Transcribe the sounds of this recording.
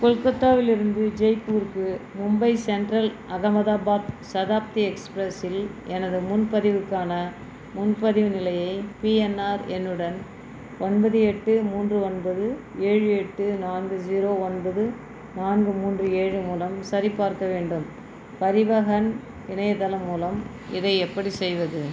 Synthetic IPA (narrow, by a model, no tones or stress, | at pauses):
kɔlkɐt̪ːaːʋɪlɪɾɯnd̪ɯd͡ʒɛɪpuːɾkɯmʊmbɐɪsɛɳɖɾɐlʔɐɣɐmɐðaːbaːbsɐðaːp̚t̪iɛkspɾɐsɪlɛnɐðɯmʊnpɐðɪʋɯkːaːnɐ | mʊnpɐðɪʋɯnɪlɐjɐɪpiːɛnaːɾɛnːɯɽɐn | ɔnbɐðɯɛʈːɯmuːndrɯɔnbɐðɯeːɻɯɛʈːɯnaːnɡɯd͡ʒiːɾoːɔnbɐðɯ | naːnɡɯmuːndrɯeːɻɯmuːlɐmsɐɾipːaːɾkɐʋeːɳɖɯm | pɐɾɪʋɐɣɐn | ɪnɐjɐt̪ɐlɐmːuːlɐm | ɪ̰ðɐɪɛpːɐɽisɛjʋɐðɯ